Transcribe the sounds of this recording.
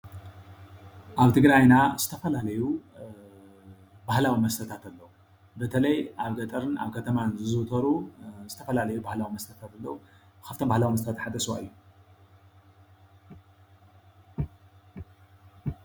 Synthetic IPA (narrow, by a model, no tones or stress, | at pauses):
ʔaβt̪ʰɨɡɾajnaz̥ɨt̪ʰɐfɐlalɐju | bahlawimɐst̪ʰɐt̪ʰat̪alːɐwu | bɐt̪ʰɐlɐjʔaβɡɐt̪ʼɐɾɨna̰βkʰɐt̪ʰɐmanzɨzɨt̪ʰɐɾuzɨt̪ʰɐfɐlalɐjubahlawimɐst̪ʰɐt̪ʰat̪alːɐu | bɨkʰaft̪ʰombahlawimɐs̬t̪ɐt̪at̪ħad̪ɐswa̰ɨjːu